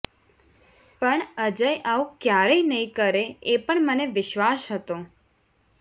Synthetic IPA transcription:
pəɳəd͡ʒəjaũkjaɾəinəĩkəɾeepəɳməneʋɪʃʋasɦət̪õ

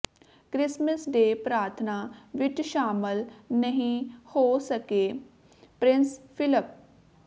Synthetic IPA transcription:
kɾɪsməsɖeːpɾaːɾt̪ʰnaːʋɪʈʃaːməlnəɦĩhoːsəkeː | pɾɪ̃nspʰɪləp̚

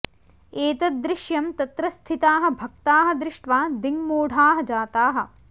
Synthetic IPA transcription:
eːt̪ɐd̪ɾɪʃjɐmt̪ɐt̪ɾɐst̪ʰit̪aːɦɐ̆bʱɐk̚t̪aːɦɐ̆d̪ɾɪʂʈʋaːd̪iŋmoːɽʱaːɦɐ̆d͡ʒaːt̪aːɦɐ̆

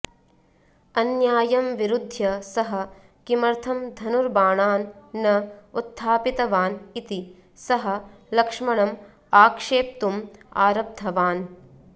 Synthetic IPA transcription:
ɐnjaːjɐmʋiɾud̪ʱjɐsɐɦɐ̆ | kimɐɾt̪ʰɐmd̪ʱɐnuɾbaːɳaːnːɐut̪ʰːaːpit̪ɐʋaːnit̪i | sɐɦɐ̆ | lɐkʂmɐɳɐm | aːkʂeːp̚t̪uma̰ːɾɐp̚t̪ʰɐʋaːn

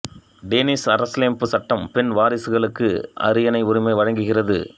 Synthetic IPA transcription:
ɖeːnɪsɐɾɐsleːmpɯsɐʈːɐmpɛnʋaːɾɪsɯɣɐɭɯkːɯ̰ʔɐ̰ɾɯjɐnɐɪʊɾɪmɐɪʋɐɻɐŋɡɯɣɪrɐðɯ̰

